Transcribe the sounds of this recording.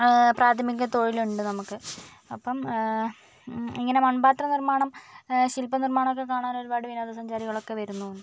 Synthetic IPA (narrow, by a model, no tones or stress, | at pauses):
praːt̪ʰɐmikʲːɐt̪o̞ɻiluɳɖɨnɐmukːɨ | ɐpːɐm | iŋːɐne̞mɐɳbaːt̪rɐnirmaːɳɐmɕilpɐnirmaːɳɐmokːek̬ːaːɳaːno̞ɾubaːɽɨʋinaːd̪ɐsɐɲd͡ʑaːɾiɣɐɭo̞kːe̞ʋɐɾunːuoɳɖɨɨ